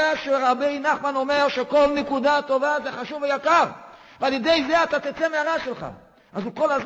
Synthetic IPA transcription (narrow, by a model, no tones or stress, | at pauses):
aʃeʁabejnaχmanomeʁʃeko̞lnekudat̪o̞vazeχaʃuvejakaʁ | vealjed̪ejzeat̪at̪it͡semeaʁaʃelχa̰ | azukolaz